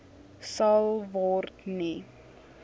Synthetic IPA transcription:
sɐlˠvɔrtni

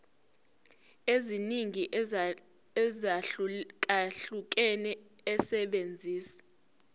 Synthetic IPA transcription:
eziniŋiʔ | zak̬ʼaɬuk̬ɛnɛː | sɛɓend͡zʱiːsḁ

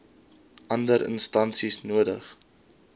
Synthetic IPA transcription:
ʔɐndəɾʔə̰nstɐnsisnuədəχ

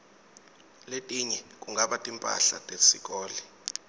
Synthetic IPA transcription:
letʼiɲɛk̬ʼuŋɡaɓatʼimpʼa̰ɬa̰tʼesik̬ʼɔːli

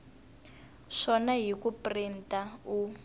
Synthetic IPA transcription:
ʂɔnaɦikuprintau

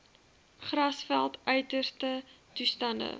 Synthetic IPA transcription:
χrɐsfælˠtœɥtərstə | tustɐndə̰

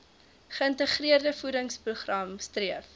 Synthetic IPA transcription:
χəəntəχriərdəfudəŋspruχrɐmstriəf

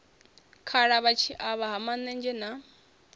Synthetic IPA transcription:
kʰaɺaβat͡ʃʰiʔaβaɦamanɛnd͡ʒɛna

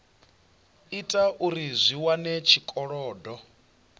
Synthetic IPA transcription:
itʼaʔuɾizʷiwanɛt͡ʃʰikʼɔɺɔːdɔ

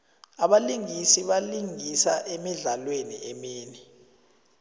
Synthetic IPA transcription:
aɓaliŋisiɓaliŋisaʔemiɮalwenḭɛmiːni

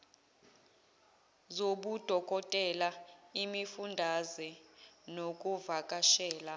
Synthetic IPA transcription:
zoɓud̥ʱɔkʼɔtʼɛlaimifundʱazɛnokʼuvakʼaʃɛːla

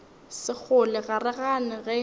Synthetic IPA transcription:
sɪk͡xʰʊlɪɣarɛɣanɪɣɛ

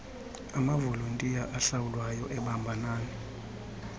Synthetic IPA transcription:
amavoluntʼijaʔaɬawulwajɔʔɛɓambʱanaːjɔ

